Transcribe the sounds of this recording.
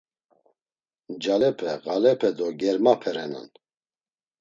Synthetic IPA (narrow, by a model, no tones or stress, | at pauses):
d͡ʒalɛpʰɛɣalɛpʰɛd̪ɔɡɛɾmapʰɛɾɛna̰n